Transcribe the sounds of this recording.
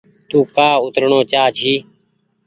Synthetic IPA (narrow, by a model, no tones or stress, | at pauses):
t̪uːkaːʊt̪ɾɳoːt͡ʃaːt͡ʃʰiː